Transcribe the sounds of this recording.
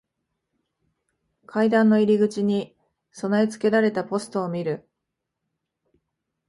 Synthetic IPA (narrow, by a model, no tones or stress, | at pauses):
kʰaid̪ãnːo̞iɾʲiɡɯ̟t͡ɕiɲ̟i | so̞naet͡sɨ̥ke̞ɾaɾe̞t̪apo̞sɨ̥t̪o̞ːmʲiɾɯ̟